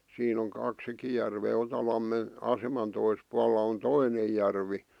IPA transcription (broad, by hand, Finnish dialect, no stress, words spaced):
siːn oŋ kɑksikij jærʋeː otɑlɑmːen ɑsemɑn tois puɑlːɑ on toinej jærʋi